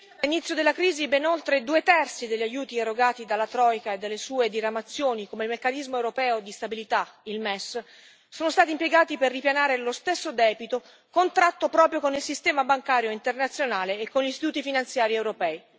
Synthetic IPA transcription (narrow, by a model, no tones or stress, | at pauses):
alinit̪sːjod̪elːakɾiːzibenolt̪ɾed̪uːet̪ɛrt̪sid̪elʎːajuːt̪ieɾoɡaːt̪id̪alːat̪ɾɔjkaed̪ːalːesuːed̪iɾamat̪sːjoːnikomeilmekːanizmoewɾopɛːod̪ist̪abilit̪ailmɛs | soːnost̪aːt̪impjeɡaːt̪iperːipjanaːɾelost̪esːod̪ɛːbit̪o | kont̪ɾat̪ːopɾɔːpɾjokonilsist̪ɛːmabaŋkaːɾjoint̪ernat̪sːjonaːleːkːonʎist̪it̪uːt̪ifinant̪sjaːɾiɛwɾopɛːi